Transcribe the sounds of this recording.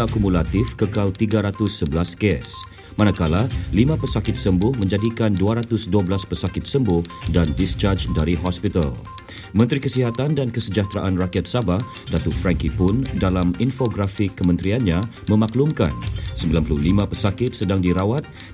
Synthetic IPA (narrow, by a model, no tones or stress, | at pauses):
akumulat̪ɪfkəkalt̪iɡaɾat̪ʊsːəbəlaskɛs | manakalalimãpəsakɪt̪̚səmbʊhmə̃ɲd͡ʒadikanduaɾat̪ʊsduabəlaspərsakɪt̪̚səmbʊhdandist͡ʃard͡ʒdaɾiɦɔspit̪a̰l | mə̃nt̪ɾikəsiɦat̪andankəsəd͡ʒaht̪ɾaʔanrakiat̪̚sabah | dat̪ʊfɾɛŋkipʊndalaminfoɡɾafɪkːəmə̃nt̪ɾianɲã | mə̃maklumka̰nsəmbilanpəluhlimãpərsakɪt̪̚sədaŋdiɾawat̪̚